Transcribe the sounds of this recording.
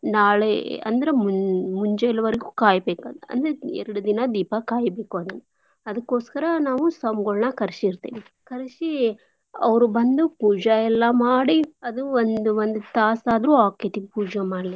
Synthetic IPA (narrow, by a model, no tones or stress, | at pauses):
naːɭeɐ̰nd̪ɐɾemumuɲd͡ʒeɛlːɐʋɐɾeɡukaːjbeːkaːd̪ɐɐ̰nd̪ɐɾeɛ̰ɾɐɽud̪inɐd̪iːpɐkaːjbeːkuɐd̪ɐnːu | ɐd̪ɐkːo̞ːskɐɾɐnaːʋusɐmɡoɭɳɐkɐɾʃiːɾt̪iːʋi | kɐɾʃi | ɐ̰ʋɾubɐnd̪upuːd͡ʒɐɛlːɐmaːɽiɐd̪uond̪uʋond̪ut̪aːsaːd̪ɐɾuaːket̪ipuːd͡ʒɐmaːɽli